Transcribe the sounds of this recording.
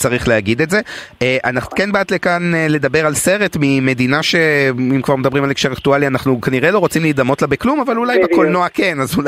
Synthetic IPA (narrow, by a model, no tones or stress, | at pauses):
t͡saʁiχleaɡid̪e̞tze̞ | eʔanaχnu̥kenbaːt̪lekanele̞d̪abeʁalse̞ʁe̞tmime̞d̪inaʃe̞imkvaʁmed̪abʁimalekʃe̞ʁaktualianaχnukaniʁelo̞ʁo̞t͡simliːd̪amo̞tlabeklumavalulajbekolnoakenazu